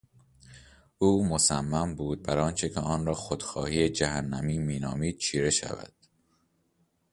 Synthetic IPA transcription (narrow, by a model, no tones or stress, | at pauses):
ʔuːmosæmːæmbuːd̪̚bæɾɒːnt͡ʃʰe̞cʰeɒːnɾɒːxod̪̥xɒ̰ːhiːed͡ʒæhænːæmiːmiːnɒ̰ːmiːd̪̥̚t͡ʃʰiːɾe̞ʃæ̰væ̰d̪̥